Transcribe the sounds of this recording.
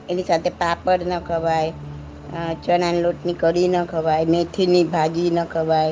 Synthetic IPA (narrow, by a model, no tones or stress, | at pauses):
enisat̪ʰepapəɽnəkʰəʋaj | t͡ʃənanloʈnikəɽinəkʰəʋajmet̪ʰinibʱad͡ʒinəkʰəʋaj